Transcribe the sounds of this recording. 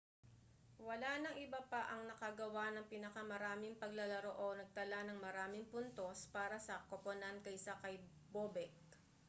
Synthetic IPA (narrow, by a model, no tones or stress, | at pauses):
wɐlanɐŋʔɪbapɐʔɐŋnɐkɐɡɐwanɐŋpinɐkɐmɐɾaːmɪŋpɐɡlɐlɐɾoʔonɐɡ̚t̪ɐlanɐŋmɐɾaːmɪŋpʊnt̪o̞spaːɾɐsɐkoponant̪̚kɐjsɐkɐj | boːbɛk̚